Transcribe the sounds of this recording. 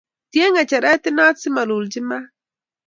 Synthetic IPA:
t̪jeŋat͡ʃaɾat̪enat͡simaluld͡ʒima

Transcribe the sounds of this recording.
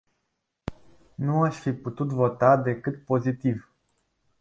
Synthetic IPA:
nuaʃʲfiput̪ut̪vo̞t̪ad̪e̞kɨt̪̚po̞zit̪iv

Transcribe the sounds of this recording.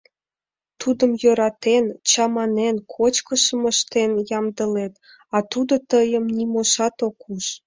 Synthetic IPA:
t̪ud̪əmjøɾɑt̪ent͡ɕɑmɑnenkʰot͡ɕkəʃəməʃt̪enjɑmd̪əlet̪ | ɑt̪ud̪ot̪əjəmnimoʃɑt̪okuʃ

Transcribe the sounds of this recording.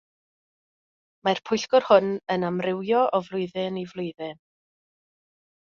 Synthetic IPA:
mar̥pʰʊjɬkɔrhʊnənamrɪwjɔʔɔvlˠʊɨðɨnivlˠʊɨðɪn

